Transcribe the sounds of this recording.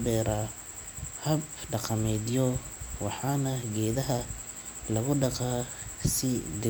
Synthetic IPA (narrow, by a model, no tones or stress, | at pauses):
bɛːɾa | hɐbɖɑqɑmɛːdjɔwɑħɑːnɐɡɛːðɐɦɐ | lɐɣʊɖɑqaːsɪd̪ɪ